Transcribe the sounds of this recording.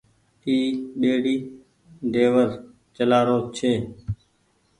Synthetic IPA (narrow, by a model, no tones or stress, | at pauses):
t̪iːɗeːɽiː | ɖ̪eːʋəz | t͡ʃəlaːɾoːt͡ʃʰeː